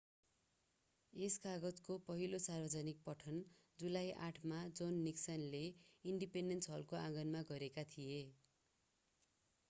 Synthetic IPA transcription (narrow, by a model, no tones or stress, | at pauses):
eskaɡʌd͡zkopʌɦilosarbʌd͡zʌnik̚pʌʈʰʌnd͡zulajʔaʈʰmad͡zonːiksʌnleiɳɖipeɳɖensɦʌlkoãɡʌnmaɡʌɾekat̪ʰije